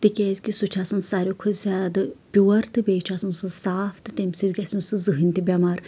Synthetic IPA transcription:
t̪ikʲezʲkisut͡ʃʰaːsɐnsaɾʲokʰuzʲaːd̪ɨpʲuːɐɾt̪ɨbʲeːt͡ʃʰaːsɐnsɨsaːfʰt̪ɨt̪emʲsid̪ɡʲɐsʲũnsɨzɨɦɨnʲt̪ibʲɐmaːɾ

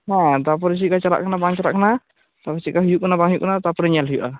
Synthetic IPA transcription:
ɦãt̪ap̬ɔɾs̬ikat͡ʃaɾa̰ʔkanabaŋt͡ʃaɾa̰ʔkana | t̪apasikaɦujuʔkanabaŋɦijuʔkənat̪apɾiɲalɦujuʔa

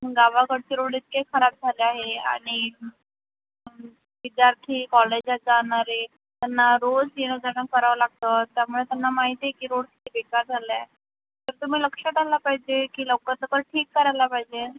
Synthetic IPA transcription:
mɡaʋakəɽt͡ɕeɾoɽiːt̪kekʰəɾab̚d͡zʱaleaɦea̰ɽ̃i | ʋid̪jaɾt̪ʰiːkɔled͡ʑad͡zaɳaɾe | t̪anːaɾod͡zeɽ̃əd͡zanakəɾaʋəlaɡ̚t̪ət̪jamuɭet̪anːamaɦit̪ekiːɾoɽki̥t̪ʰibekaɾd͡zʱala | t̪əɾt̪um̤iːləkʂəʈalapaɦid͡ʑekiːləwkəɾt̪əkəɾʈʰiːkːəɾajlapaɦid͡ʑe

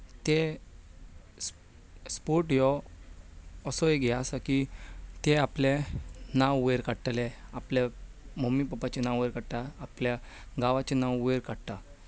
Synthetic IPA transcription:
t̪e | s | spoɾʈjɔ | sɔeɡʱɛasakit̪eaplenãweɾkaɽʈ̪aleaple | məmːipəpat͡ɕenãweɾkaɽt̪aːpljaɡaʋat͡ɕenãwueɾkaɽt̪a

